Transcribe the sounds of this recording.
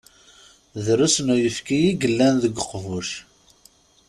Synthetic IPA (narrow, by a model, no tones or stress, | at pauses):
ðɾusnujəfkijiɡəlːænðəɡəqːvuʃ